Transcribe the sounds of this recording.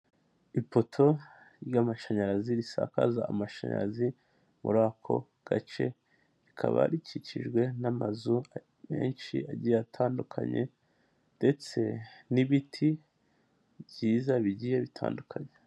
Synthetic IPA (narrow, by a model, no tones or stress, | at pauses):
ipo̞tʰo̞ | ɾjaːmaʃaɲaɾaziɾisa̰ka̰zaːmaʃaɲa̰ɾazi | mṵɾaːkʰo̞̰ | ɡ̥at͡ʃe̞̰ | ɾikʰa̰βa̰ɾicʰiciʒɡwe̞namazu | me̞̰ːnʃḭaɟiatʰaːndukʰa̰ɲe̞̰ | nde̞t͡se̞niβitʰi | bɟiːzaβiɟijeβitʰa̰ːndukʰaɲe